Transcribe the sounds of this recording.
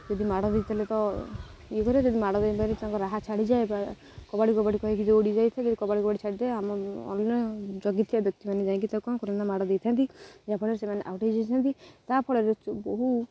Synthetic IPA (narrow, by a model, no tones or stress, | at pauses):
d͡ʒɔd̪ʱimaɽɔd̪ejt̪ʰalet̪ɔ | ikɔɾad͡ʒɔd̪imaɽɔd̪ebaɾet̪ãŋkɔɾaɦat͡ʃʰaɽid͡ʒaeba | kɔbaɽikɔbaɽikɔɦik̬id͡ʒeoɽid͡ʒajt̪ʰad͡ʒɔd̪ikɔbaɽikɔbaɽit͡ʃʰaɽit̪aeamɔɔ̰lːɔd͡ʒɔɡit̪ʰjabɔk̚t̪imaned͡ʒaẽŋk̬it̪akɔnkɔɾɔnamaɽɔd̪et̪ʰant̪id͡ʒapʰɔɽɔɾesemaneʔa̰wʈid͡ʒat̪ʰant̪it̪apʰɔɭɔɾet͡ʃbɔɦu